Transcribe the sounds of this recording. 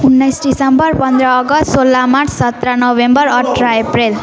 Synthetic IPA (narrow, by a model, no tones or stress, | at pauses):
unːʌjsɖisʌmbʌrpʌnd̪ɾʌːɡʌssolːamaʈssʌt̪ɾanʌwembʌrʌʈʰɾaeprel